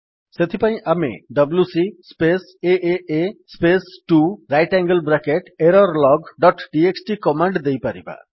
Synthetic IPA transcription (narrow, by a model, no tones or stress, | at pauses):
set̪ʰipaĩʔamḛɖʌbljusispes | eʔeespesʈuɾajʈaŋɡəlbɾakeʈeɾɔɾlɔɡɖɔʈɖieksʈikɔmaɳɖd̪ejpaɾḭba̰